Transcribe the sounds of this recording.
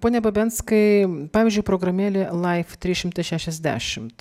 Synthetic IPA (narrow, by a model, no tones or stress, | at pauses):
poːnʲɛbɐbʲɛnskɐɪpɑːʋʲizʲd͡ʒʲʊɪpɾoɡɾɐmʲeːlʲelˠɐɪft̪ʲɾʲiːʃʲɪmt̪ɐɪʃʲæʃʲɛzʲd̪ʲæ̰ːʃʲɪmt̪